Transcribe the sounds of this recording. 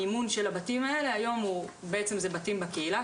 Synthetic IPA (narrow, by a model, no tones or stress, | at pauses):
imunʃe̞labatimae̞le̞ajo̞mu | beet͡se̞mzebatimbekeila